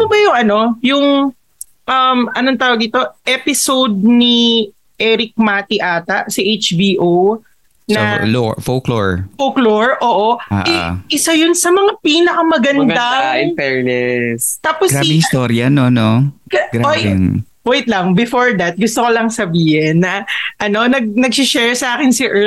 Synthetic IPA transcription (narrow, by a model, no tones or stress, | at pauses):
t̪obɐjʊŋɐno̞jʊŋ | ʔɐmʔɐnoŋt̪aːwɐɡɪt̪o̞ʔɛpɪsowd̪̚ni | ʔɛɾɪk̚maːt̪iʔaːt̪ɐsɪʔejt͡ʃbiːʔo | nɐlofoklo̰ɹfokloɹʔoːʔoʔa̰ʔʔɪsajʊnsɐmɐŋapiːnɐkɐmɐɡɐnd̪aɪpɛɹnɛst̪aːposɡabɪŋɪst̪oɾjɐnonokɐɡɾaojɛ̰ŋ | oɪt̪lɐŋbɛfoɹd̪ɐt̪̚ɡʊst̪okolɐŋsɐbiːhɪnːɐʔɐno̞nɐɡ̚nɐɡ̚sɪʃɛɹsɐʔaːkɪnsɪʔɛ